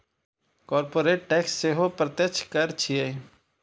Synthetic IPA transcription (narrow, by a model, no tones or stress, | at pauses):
kɔːɾpoːɾeːʈʈɛːksːeɦopɾət̪ət͡ʃʰkəɾt͡ʃʰie